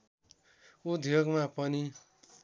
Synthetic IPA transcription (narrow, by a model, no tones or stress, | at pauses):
ud̪ʱjoɡmapʌni